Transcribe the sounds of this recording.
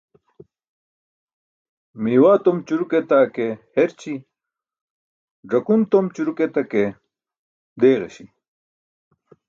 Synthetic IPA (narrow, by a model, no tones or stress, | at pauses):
miːwaːt̪omt͡ɕuɾuket̪akeheɾt͡ɕi | ɖ͡ʐɐkunt̪omt͡ɕuɾuket̪ɐke | d̪eːɣḛɕi